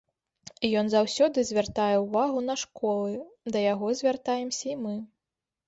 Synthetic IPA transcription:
ijɔnzawsʲɔd̪ɨzʲvʲart̪ajɛuvaɣunɐʂkɔlˠɨd̪ɐjaɣɔzʲvʲart̪ajɛmsʲɐimɨ

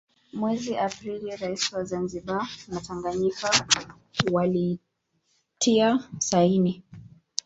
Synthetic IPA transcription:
mwɛziʔapɾiliɾaisiwazanziɓanataŋɡaɲika | wali | tʰiasaini

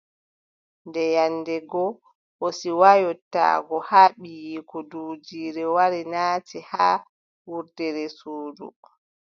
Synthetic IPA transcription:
ndɛjanːdɛɡɔ | ʔɔsiwajɔtːa̰ːɡɔhaːɓijikɔduːd͡ʒiːɾɛwaɾinaːtiha | wuɾdɛɾɛsuːdṵ

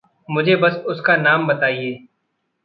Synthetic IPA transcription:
mʊd͡ʒʱebɐsʊskanaːmbɐt̪aːieː

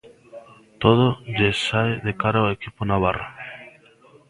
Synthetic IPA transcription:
t̪oð̞oʝesaeðekaɾaoekiponaβara

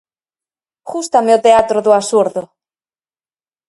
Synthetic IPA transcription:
xust̪ameot̪eat̪ɾoðoasuɾðo

